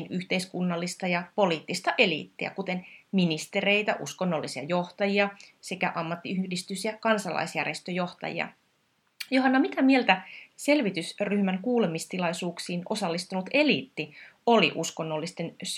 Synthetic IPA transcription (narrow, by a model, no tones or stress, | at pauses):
nyht̪e̞iskunːɑlːist̪ɑjɑpo̞liːt̪ːist̪ɑʔe̞lḭt̪ːiæ̰kut̪e̞nminist̪e̞re̞jt̪æʔṵskonːo̞lːisiɑ̰jo̞ht̪ɑjiɑsekæʔɑmːɑt̪ːiyhdist̪ysjɑkɑnsɑlɑ̰isjæ̰rjest̪øjo̞ht̪ɑ̰jḭɑ̰ | joɦɑnːɑmit̪æmie̞lt̪æse̞lʋit̪ysryhmæŋkuːle̞mist̪ilɑjsuːksiːno̞sɑlːist̪ulut̪e̞lḭt̪ːio̞lḭʔusko̞nːolːist̪e̞ns